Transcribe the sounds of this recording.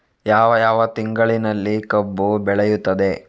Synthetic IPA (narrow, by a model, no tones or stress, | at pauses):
jaːʋɐjaːʋɐt̪iŋɡɐɭinɐlːikɐbːubɛɭejut̪ːɐd̪e̞